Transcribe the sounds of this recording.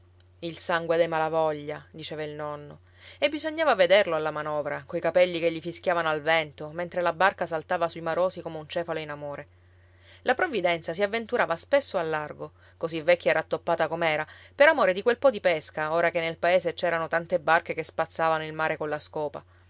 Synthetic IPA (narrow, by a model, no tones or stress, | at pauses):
ilsaŋɡwed̪ejmalavɔʎːad̪it͡ʃɛːvailnɔnːo | ebːizoɲːaːvaved̪erloalːamanɔːvɾakojkapɛlːikeʎːifisk̟ʲjaːvanoalvɛnt̪oment̪ɾelabarkasalt̪aːvasuimaɾoːsikomeunt͡ʃɛːfaloinamoːɾe | lapɾovːid̪ɛnt̪sas̬iavːent̪uɾavaspesːoalːarɡo | kozivːɛkʰʲːaeɾat̪ːopːaːt̪akomɛːɾapeɾamoːɾed̪ikwelpɔd̪ipeskaoːɾakenːelpaeːset͡ʃɛːɾanot̪ant̪ebːarkekespat̪sːaːvanoilmaːɾʔekonlaskɔːpa̰